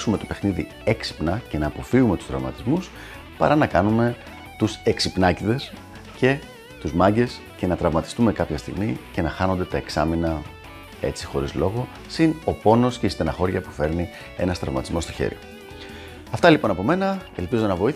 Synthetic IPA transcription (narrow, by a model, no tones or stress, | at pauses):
sume̞t̪ope̞xniðḭ | eksi̥pnɐce̞nɐːpo̞fiɣume̞t̪u̥st̪ɾɐ̰vmɐ̰t̪izmus | pɐ̰ɾɐnɐkɐnume̞ | t̪use̞ksipnɐciðe̞s | ce̞ | t̪uzmɐɲɟe̞s | ce̞nɐt̪ɾɐvmɐt̪i̥st̪ume̞kɐpçɐst̪ḭɣmice̞nɐxɐno̞nd̪e̞t̪ɐe̞ksɐ̰minɐ | e̞̰t͡sixo̞ɾizlo̞ɣo̞ | sino̞po̞no̞scist̪enɐxo̞ɾʝɐpu̥fe̞ɾni | e̞nɐst̪ɾɐvmɐt̪izmo̞st̪o̞çḛɾḭ | ɐft̪ɐlipo̞nɐpo̞me̞nɐe̞lpizo̞nɐvo̞i